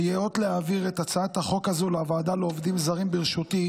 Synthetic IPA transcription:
jeo̞t̪leaviʁet̪at͡saat̪haχo̞khazulaavaaːd̪aleovd̪imzaʁimbiʁʃut̪i

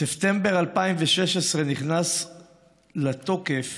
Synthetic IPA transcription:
seft̪embeʁalpaimveʃeʃesʁe̞niχnas | lat̪o̞kef

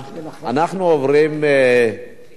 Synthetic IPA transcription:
anaχnoːvrɪmɛ

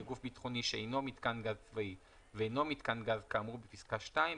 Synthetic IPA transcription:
ɡufbit̪χo̞niʃeejno̞mit̪kanɡazt͡svai | veeno̞mit̪kanɡazkaːmʁubepiskaʃtai

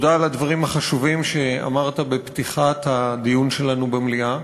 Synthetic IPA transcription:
d̪aːlad̪vaʁimhaχaʃuvimʃe̞a̰maʁt̪abept̪iχat̪had̪ijunʃe̞lanubemlia

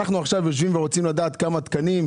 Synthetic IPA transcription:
aχnuaχʃavjoʃ̬vimveʁo̞t͡simlad̪aːt̪kamat̪kanim

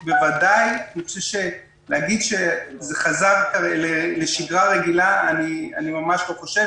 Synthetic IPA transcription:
bevadajniot͡seʃe | leaɡid̪ʃezeχazaʁkaeleleʃiɡʁaʁeɡilaania̰nimamaʃloχoʃe

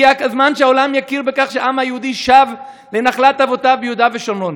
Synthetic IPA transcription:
akazmanʃeao̞lamjakiʁbekaχʃeaʔamhajehud̪iʃav | lenaχlat̪avo̞tabejud̪aveʃonon

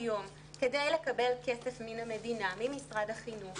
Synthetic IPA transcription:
jo̞m | ke̞de̞jle̞kabe̞lke̞sefminamedinamimisʁadhaχinuχ

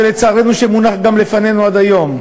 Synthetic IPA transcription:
elet͡saːʁe̞nuʃemunaχɡamlefane̞nuad̪ajo̞m

